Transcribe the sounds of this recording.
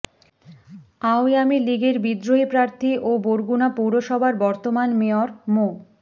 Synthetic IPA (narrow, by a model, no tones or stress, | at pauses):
aojamiliɡeɾbid̪ɾoɦipɾaɾt̪ʰiʔoboɾɡunapuwɾoʃɔbʱaɾbɔɾt̪omanmeoɾmo